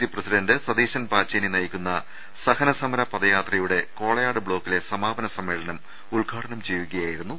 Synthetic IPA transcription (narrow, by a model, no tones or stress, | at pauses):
iprɐsidɐndɨsɐd̪iːɕɐnpaːt͡ɕːɐninɐjikʲːunːɐ | sɐhɐnɐsɐmɐɾɐpɐd̪ɐjaːt̪rɐjuɽe̞ko̞ːɭɐjaːɽɨbɭo̞ːkːile̞sɐmaːbɐnɐsɐmːe̞ːɭɐnɐm | uɭɡʱaːʈʰɐɳɐmt͡ɕejuɣɐjaːjiɾunːu